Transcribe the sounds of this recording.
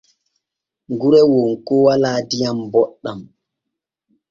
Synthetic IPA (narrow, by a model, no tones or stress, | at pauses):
ŋɡuɾɛwonkɔwalaːdijambɔɗːam